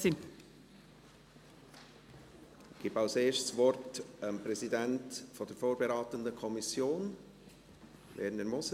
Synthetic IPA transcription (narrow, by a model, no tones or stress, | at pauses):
i | ɪɡ̥iːbaʊseːʃtsvɔrtəmpɾɛzidɛntfɔd̥əɾfoːɾbeɾɑːt̪əndəkʰɔmisjoːn | vɛ̰ːɾənəɾmɔs